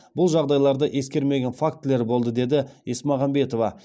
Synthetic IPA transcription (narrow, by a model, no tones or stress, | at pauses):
bʊlˠʒɑʁd̪ɑjlˠɑɾd̪əʔe̞skʲe̞ɾme̞ɡʲe̞nfak̚t̪ːɪle̞ɾbo̞lˠd̪əd̪e̞d̪ɪesmɑʁɑmbe̞t̪o̞vɑ